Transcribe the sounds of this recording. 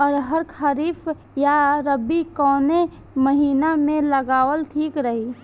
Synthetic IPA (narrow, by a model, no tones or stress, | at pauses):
ɔːɾɦəɾkʰəɾiːf | jaɾəbːikɔːne | məɦiːnamẽlɐɡaːwəlt̪ʰiːkɾəɦi